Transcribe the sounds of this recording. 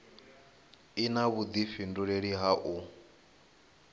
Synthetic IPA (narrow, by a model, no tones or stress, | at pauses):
inaβud̪ifinduɺeɺiɦaʔu